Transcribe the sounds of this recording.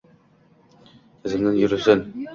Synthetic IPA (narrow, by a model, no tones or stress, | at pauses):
ɘ̆zɘ̆mnɘnjɵ̆ɾɘ̆sɘn